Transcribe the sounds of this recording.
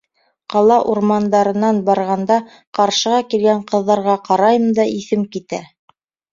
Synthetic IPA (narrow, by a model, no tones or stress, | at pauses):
qɑlˠɑʔuɾmɑnd̪ɑɾɤ̆nːɑnbɑɾʁɑnd̪ɑ | qɑɾʃɤ̆ʁɑkilɡæɴqɤ̆ðːɑɾʁɑqɑɾɑjɤmd̪ɑʔiθɘmkit̪æ